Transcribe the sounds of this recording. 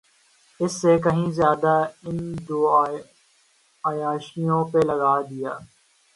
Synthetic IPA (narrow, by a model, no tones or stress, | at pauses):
ɪsːekɐɦĩzjaːd̪aɪnd̪oː | aːjaːʃijõːpelɐɣaːd̪ɪjaː